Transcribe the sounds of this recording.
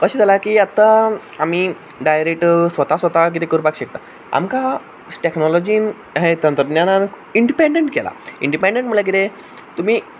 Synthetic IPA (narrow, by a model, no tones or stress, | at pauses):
kəɕiːd͡zalakiːat̪ːa | amiː | ɖajɾek̚ʈsʋət̪asʋət̪ak̬it̪ekəɾpakɕek̚t̪a | a̰mka | ʈeknɔlɔd͡ʑiːn | ɦet̪ənt̪ɾəd̪njanan | iɳɖipeɳɖeɳʈkela̰ḭɳɖipeɳɖẽɳʈm̤əlak̬it̪e | t̪um̤iː